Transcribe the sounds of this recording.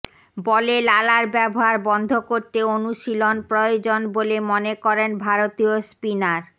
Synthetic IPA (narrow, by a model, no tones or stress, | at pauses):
bɔlelalaɾbɛboɦaɾbɔnd̪ʱokoɾt̪eonuʃilonpɾojod͡ʑonbolemonekɔɾenbʱaɾot̪iospinaɾ